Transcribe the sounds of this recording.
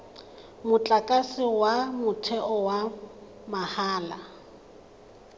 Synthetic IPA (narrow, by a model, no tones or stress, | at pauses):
mʊt͡ɬʼakʼasɪwamʊtʰɛʔɔwa | mahaːla